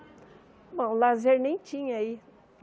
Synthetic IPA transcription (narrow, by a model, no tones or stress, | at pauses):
bõw̃lazeɾnẽj̃t͡ʃĩɲɐai